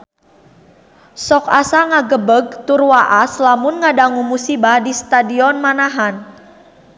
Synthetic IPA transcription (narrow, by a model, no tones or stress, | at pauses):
sɔkasaŋaɡəbəɡ̚t̪urwaʔaslamʊnŋadaŋumusibadist̪adiɔnmanaɦan